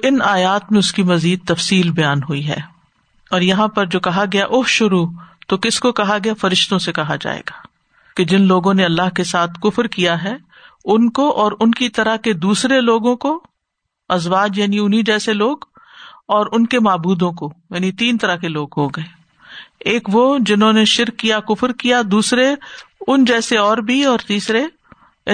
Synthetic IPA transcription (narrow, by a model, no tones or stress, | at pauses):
ʔɪnaːjaːt̪mẽʊskimɐziːd̪̚t̪ɐfsiːlbɐjaːnɦuiɦɛ̰ː | ɔːɾjɐɦãpɐɾd͡ʒoːkɐɦaɡɐjaʔʊfʃʊɾut̪okɪskokɐɦaɡɐjafɐɾɪʃt̪õsekɐɦad͡ʒa̰ːḛːɡaː | ked͡ʒɪnloːɡõneɐlːaɦkesaːt̪ʰkʊfɾkijaɦɛː | ʊnkoʔɔːɾʊnkit̪ɐɾəɦked̪uːsɾeloːɡõko | ɐzwaːd͡ʒjaːniʊnɦid͡ʒɛːseloːɡ | ɔːɾʊnkemaːbuːd̪õkojaːnit̪iːnt̪ɐɾaɦkeloːɡɦoɡɐeː | eːkʋod͡ʒɪnɦõneʃɪɾkːijakʊfɾkijad̪uːsɾeʊnd͡ʒɛːseɔːɾbʱiɔːɾt̪iːsɾe